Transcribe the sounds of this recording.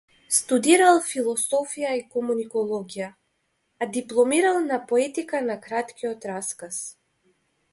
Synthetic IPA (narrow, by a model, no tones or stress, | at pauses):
st̪ud̪iɾalˠfilˠɔsɔfijaikɔmunikɔlˠɔɡijaː | d̪iplˠɔmiɾalˠnapɔɛt̪ikanakɾat̪kʲiɔt̪ɾaskas